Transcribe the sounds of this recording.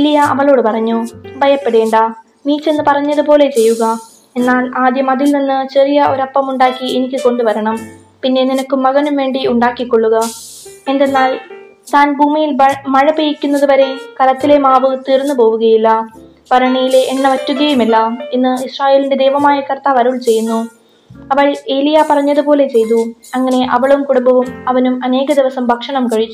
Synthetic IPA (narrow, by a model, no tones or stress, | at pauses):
elːijɐɐ̰ʋɐɭo̞ːɽɨpɐrɐɲːubʱɐjɐpːeɽe̞ːɳɖɐ | miːt͡ɕːe̞nːɨpɐrɐɲːɐðupo̞ːle̞t͡ɕe̞jːuɣɐ | e̞nːaːlaːd̪jɐmɐðilninːɨt͡ɕerijɐo̞ɾɐpːɐmuɳɖaːkːienikʲːɨko̞ɳɖuʋɐɾɐɳɐm | pinːe̞ninɐkːumːɐɣɐnumʋe̞ːɳɖiuɳɖaːkːikːo̞ɭːuɣɐ | e̞nd̪enːaːl | t̪aːnbʱuːmijilmɐɻɐpejikʲːunːɐðuʋɐɾe̞kɐɾɐt̪ːile̞maːʋɨt̪iːrnːupo̞ːʋuɣɐjilːɐ | pɐɾɐɳejileʔːɳːɐʋɐtːuɣɐjumɐlːɐenːɨisraːje̞ːlinde̞d̪eːʋɐmaːjɐkɐrt̪aːʋɐɾuɭt͡ɕe̞jːunːu | ɐʋɐɻe̞ːlijapɐrɐɲːɐðupo̞ːle̞t͡ɕe̞jt̪̬uɐŋːɐne̞ʔɐʋɐɭumkuɽumbɐʋumɐʋɐnumɐne̞ːɣɐd̪iʋɐsɐmbʱɐkʂɐɳɐmkɐɻit͡ɕː